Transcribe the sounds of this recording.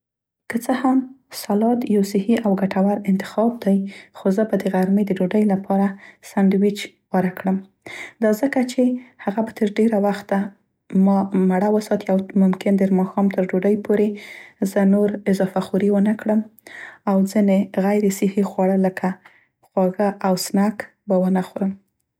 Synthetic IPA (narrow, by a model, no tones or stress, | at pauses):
kət͡səhamsalɑt̪jawsɪhiʔawɡaʈʰawaɾɪnt̪ɪ̥xɑb̚d̪ajxozəbad̪əɣaɾmed̪əɖoɖəjlapʰɑɾasaɳɖwit͡ʃ | wɑɾakɽəm | d̪ɑzəkat͡ʃehaɣabat̪ʰəɾɖeɾawaxt̪a | mɑmaɽawəsɑt̪iawmʊmkɪnd̪əɾmɑxɑmt̪əɾɖoɖəjpʰoɾezənoɾɪzɑfaxuɾiwənəkɽəmawzineɣajɾesɪhexwɑɽələkʰa | xwɑɣaʔawsnak | bawənaxoɾəm